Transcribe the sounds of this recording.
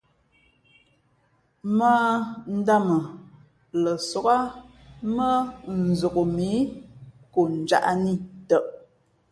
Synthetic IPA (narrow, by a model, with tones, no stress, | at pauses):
maː˦n̩˦da˦˨mə˨ | lə˨sɔ˨ɣa˦ | mə˦n̩˨zo˨ɣo˨mi˨˦ | ko˨n̩˨d͡ʒa̰˦˨ʔa˦ni˦˨tə˦˨ʔ